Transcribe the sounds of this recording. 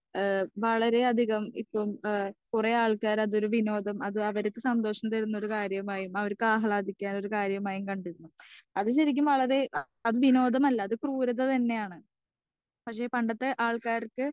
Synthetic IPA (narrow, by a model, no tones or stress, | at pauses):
ʋɐɭɐɾe̞ɐd̪ʱiɣɐmḭpːomkureaːɭkaːɾɐðo̞ɾuʋino̞ːd̪ʱɐmɐðɨɐʋɐɾekːɨsɐnd̪oːʂɐnt̪ɐɾunːo̞ɾukaːɾjɐmaːjumɐʋɐɾkːɨaːɦɐɭaːd̪ʱikʲːaːno̞ɾukaːɾjɐmaːjumkɐɳɖiɾunːuɐðɨɕɐɾikʲːumʋɐɭɐɾe̞ | ɐðɨʋino̞ːd̪ʱɐmɐlːɐːðɨkruːɾɐt̪ːɐt̪ɐnːe̞jaːɳɨ | pɐkʂe̞ːpɐɳɖɐt̪ːe̞ʔaːɭkaːrkɨ